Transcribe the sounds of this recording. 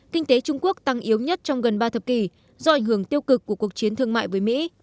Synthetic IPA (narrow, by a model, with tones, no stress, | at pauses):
kï˧ŋ̟t̪e˨˦t͡ɕʊ˧ŋ͡mku˦˥ək̚t̪a˧ŋʔi˨˦əwɲə˦˥t̚t͡ɕɔ˧wŋ͡mɣə˨˩nɓaː˧t̪ʰə˨˩p̚ki˨˩ | zɔ˧ʔa˧˩jŋ̟ɦɨ˧˩əŋt̪i˧əwkɨ˨˩kːu˧˩əku˨˩ək̚t͡ɕi˨˦ənt̪ʰɨ˧əŋma̰ː˧˨jvəː˨˦jmḭ˧˥